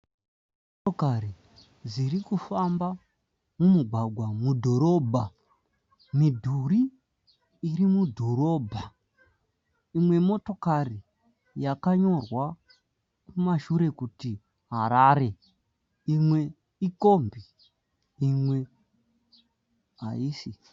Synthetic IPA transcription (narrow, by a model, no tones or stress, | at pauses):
m | otokari | ziɾikufamba | mumuɡʱwaɡʱwamudʱo̞ɾo̞bʱa | midʱuriː | rimudʱo̞ɾo̞ːbʱa | imwe̞mo̞to̞kari | jakaɲo̞rwa | kumaʃuɾe̞kuti | ɦaɾaɾe̞ | imwe̞ | iko̞mbi | imwe̞ | ɦa̰isi